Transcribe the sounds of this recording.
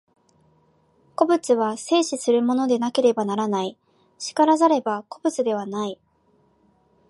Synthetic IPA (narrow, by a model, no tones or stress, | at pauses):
ko̞bɯ̟t͡sɨβase̞ːɕisɨɾɯ̟mo̞no̞d̪e̞nake̞ɾe̞banaɾanai | ɕi̥kaɾazaɾe̞bako̞bɯ̟t͡sɨd̪e̞β̞anai